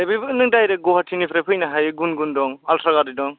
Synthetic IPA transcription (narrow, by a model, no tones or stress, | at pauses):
jbɯbɯnɯŋdajɾeɡɔhatʰinipʰɾepʰɯjnaɦajɡunɡundɔŋaltʰɾaɡaɾdidɔŋ